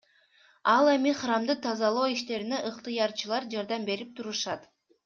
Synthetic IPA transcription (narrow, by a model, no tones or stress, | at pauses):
ɑlˠe̞miχrɑmd̪ɯt̪ʰɑzɑlˠoːiʃt̪e̞ɾineʔɯqt̪ɯjɑɾt͡ʃɯlˠɑɾd͡ʒɑɾd̪ɑmbe̞ɾip̚t̪ʰuɾuʃɑt̪